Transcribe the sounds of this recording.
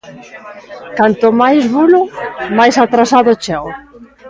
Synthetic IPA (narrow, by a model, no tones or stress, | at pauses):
kant̪ʊmajzβulʊmajsat̪ɾasaðʊt͡ʃɛw